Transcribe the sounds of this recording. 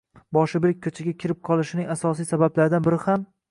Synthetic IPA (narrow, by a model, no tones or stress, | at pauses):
bɒʃɪbɪɾɪk̚ʲʰːɵt͡ʃʰaɡʲakʲʰɪɾɪp̚qʰɒlˠɪʃɪnɪŋʲasɒs̬ijsabablaɾɪd̪anbɪɾɪham